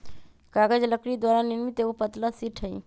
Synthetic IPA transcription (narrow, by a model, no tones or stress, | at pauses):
kaɡəd͡ʒləkɾid̪waɾaniɾmit̪eupət̪lasiʈʰəi